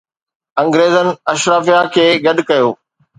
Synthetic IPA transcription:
ɐ̃ŋɡɾeːzənɪ̆ɐʃɾaːfijakʰeːɡɐɗkɐjoː

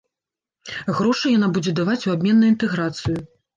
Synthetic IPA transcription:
ɣɾɔʂɨjanabud͡zʲɛd̪avat͡sʲuab̚ʲmʲɛnːɐjint̪ɛɣɾat̪sɨju

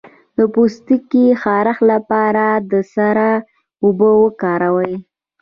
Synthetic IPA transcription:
d̪əpust̪ikixɑɾaxlapɑɾad̪əsaɾa | ʊbəwəkɑɾawəj

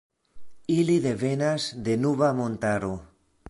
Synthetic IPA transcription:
iliðeβenazd̪enuβamõnt̪aɾo

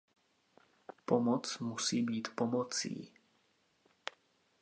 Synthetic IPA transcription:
pomɔt͡smusiːbiːt̪pomot͡sḭː

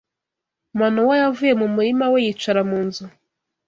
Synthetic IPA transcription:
mwanowajavuje̞mumuɾimawejit͡ʃaɾamuːnzu

